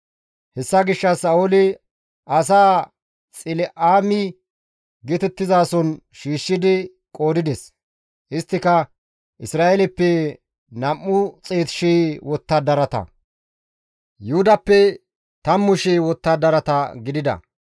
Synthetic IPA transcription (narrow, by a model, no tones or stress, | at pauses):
hɛsːɐɡɪʃːɐsɐolɪ | ʔɐs̬aː | t͡sʼɪlɛʔaːmɪ | ɡɛt̪ɛt̪ːɪzaːsɔn | ʃiːʃːɪd̪ɪ | kʼo̞ːd̪ɪd̪ɛs | ʔɪst̪ːɪkɐ | ʔɪsɾaːʔɛlɛpːɛ | nɐmːʊt͡sʼeːt̪ʃeːwɔt̪ːɐd̪ɐɾɐt̪ɐ̰ | jʊhʊd̪ɐpːɛ | t̪ɐmːʊʃeːwɔt̪ːɐd̪ɐɾɐt̪ɐɡɪd̪ɪd̪ɐ̰